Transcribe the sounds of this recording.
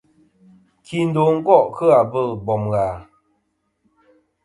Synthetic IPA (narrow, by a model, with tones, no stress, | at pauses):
kʰi˦˨n̩˦do˨˦ŋ̩˦kɔ˦˨ʔkə˦a˨bə˦˨lbɔ˨mɣa˨